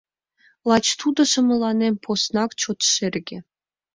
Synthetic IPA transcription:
lˠɑt͡ɕt̪ud̪ɤ̆ʂɤ̆mɤ̆lˠɑnʲemʲpʰosnɑkt͡ɕot̪ʂerʲɡʲĕ

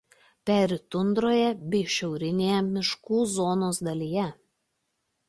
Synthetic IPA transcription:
pʲæːɾʲɪt̪ʊnd̪ɾoːjɛbʲɛɪʃʲɛʊɾʲɪnʲeːjɛmʲɪʃkuːzoːnoːsd̪ɐlʲiːjɛ

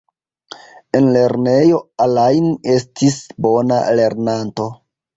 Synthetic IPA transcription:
e̞nle̞ɾne̞jo̞alajne̞stʰisbo̞na̰le̞ɾnanto̞

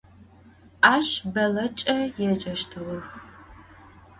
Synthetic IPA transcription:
ʔaːɕbɐlɐt͡ʃʼɐjɛt͡ʃʼɐʃtʰɨʁɐx

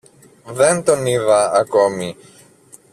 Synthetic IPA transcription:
ðe̞nt̪o̞niðɐɐko̞mi

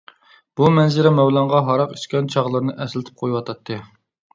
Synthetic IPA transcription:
b̥umɛnzɪɾɛmɛwlˠɑɴʁɑɦɑɾɑqiʃkʲɛnt͡ʃʰɑʁlˠɨɾnɨʔɛslɪt̪ʰɪp̚qʰojuwɑt̪ʰɑt̪ʰːɨ

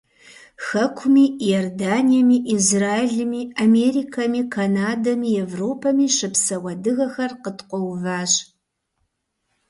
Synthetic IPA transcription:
xɐkʷʰʊmiːjordaːnijɐmiːʔizraːeɮɨmiːameːɾiːkʰɐmiːkʰanaːdɐmiːɛvroːpʰɐmiːʃɨpsɐwʷɐdɨɣɐxɐrqətqʷɔwvaːɕ

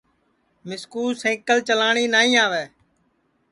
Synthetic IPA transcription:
mɪskuːsẽːkəlt͡ʃəlaːɳiːnaːĩːaːʋɛː

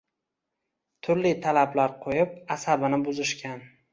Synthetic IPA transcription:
t̪ʰʊɾlit̪ʰalablaɾqʰojɪp̚asabɪnɪbʊzɪʃkʲʰan

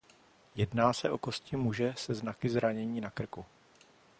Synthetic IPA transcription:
jɛdnaːsɛ̰ʔo̞ko̞scɪmuʒɛsɛznakɪzɾaɲɛɲiːnakr̩ku

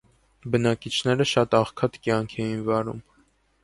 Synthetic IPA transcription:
bənɑkit͡ʃʰn̪ɛɾəʃɑt̪ɑχkʰɑt̪kjɑŋkʰɛjinvɑɾṵm

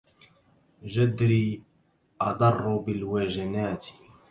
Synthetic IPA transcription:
ʒad̪ɾiː | ʔɑd̪ˤɑrˤːbɪlwaʒanaːt̪

